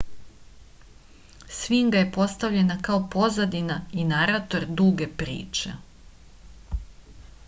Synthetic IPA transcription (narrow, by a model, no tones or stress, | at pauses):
sʋiŋɡaje̞po̞st̪aʋʎe̞nakao̞po̞zad̪inainaɾat̪o̞ɾd̪uɡe̞pɾḭːt͡ʃḛ